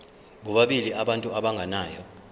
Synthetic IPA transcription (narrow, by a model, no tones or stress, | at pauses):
ɓuɓaɓiliʔaɓantʼuaɓaŋɡʱanaːjɔ